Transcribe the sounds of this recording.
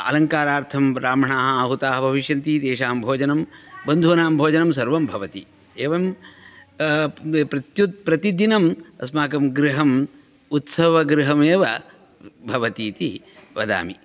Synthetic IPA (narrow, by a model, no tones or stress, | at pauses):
ɐ̰lɐŋkaːɾaːɾt̪ʰɐmɾaːmɐɳaːɦɐɦut̪aːɦɐbʱɐʋiʃjɐnt̪iːd̪eːʃaːmbʱoːd͡ʒɐnɐmbɐnd̪ʱuʋɐnaːmbʱoːd͡ʒɐnɐms̬ɐɾʋɐmbʱɐʋɐt̪ḭ | eːʋɐm | pɾɐt̪jud̪̚pɾɐt̪id̪inɐmɐ̰smaːkɐmɡɾiɦɐm | ut̪sɐʋɐɡɾiɦɐmeːʋɐ | bʱɐʋɐt̪iːt̪i | ʋɐ̰d̪a̰ːmi